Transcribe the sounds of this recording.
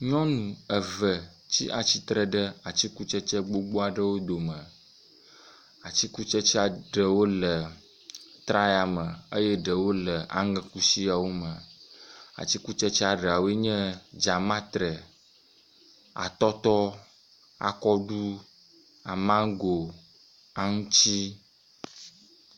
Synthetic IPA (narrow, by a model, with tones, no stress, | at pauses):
ɲɔ̃˦nũ˨ə˨və˨ | t͡ɕi˦ʔa˨t͡ɕi˦t̪ɾə˨ɖə˦a˨t͡ɕi˦ku˦t͡ʃɛ˦t͡ʃɛ˦ɡ͡bo˦ɡ͡bo˦a˨ɖə˦wo˦d̪o˨mə˨ | a˨t͡ɕi˦ku˦t͡ʃɛ˦t͡ɕi˦a˨ɖə˨wo˦lə˨ | t̪ɾa˦ja˨mə˨ə˦jɛ˦ɖə˨wo˦lə˨a̰˨ŋə̃˨ku˦si˦a˨wo˦mə̃˨ | a̰˨t͡ɕi˦ku˦t͡ʃɛ˦t͡ʃɛ˦a˨ɖə˨a˨wo˦e˦ɲɛ̃˦d͡ʒa˨mã˦t̪ɾə˨ | a̰˨t̪ɔ˦t̪ɔ˦ | a̰˨kɔ˦ɖu˦ | a˨mã˦ŋ˦ɡo˨ | a˨ŋũ˦t͡ɕi˦